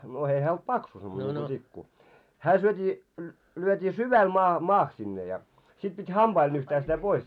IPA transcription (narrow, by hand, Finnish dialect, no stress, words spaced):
no ei hæː olt pɑksu semːone niŋku tikːu hæː syøtʲiː lyøtʲiː syʋæl mɑː mɑːh sinːe jɑ sit pit hɑmb̥ɑil nyhtæː sitæ pois